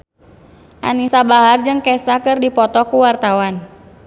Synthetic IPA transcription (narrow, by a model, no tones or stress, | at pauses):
ʔa̰nisabaɦard͡ʒɨŋkɛsakɨrdipɔt̪ɔkuwart̪awan